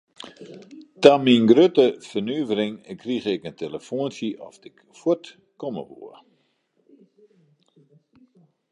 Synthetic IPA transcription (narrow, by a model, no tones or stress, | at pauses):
taminɡrøtəfərnyːvərɪŋkriɣɪkənteləfoənsjəʔɔ̰fdɪk | fwot | kɔmə̰ʋṵə